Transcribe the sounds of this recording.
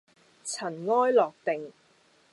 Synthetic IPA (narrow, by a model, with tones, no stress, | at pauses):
t͡sʰɐ˨˩nŋɔː˥jlɔː˨k̚t̪e˨ŋ